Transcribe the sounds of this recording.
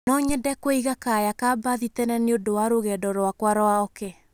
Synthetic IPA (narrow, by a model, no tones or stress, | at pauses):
nɔɲɛdɛkoiɣakajakabaðitɛnaneodowaɾoɣɛdɔɾowakwaɾɔaɔke